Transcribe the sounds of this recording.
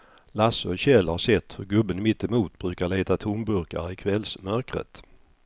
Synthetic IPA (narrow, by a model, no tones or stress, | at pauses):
lasœʏɕɛlːhaɾʂɛt̪ːhɵɾɡɵbːənmɪt̪ːɛmuːt̪bɾʉ̟ːkaɭeːt̪at̪ʰʊmbɵɾka̰ɾɪkʰvɛlsmœɾkɾə̰t̪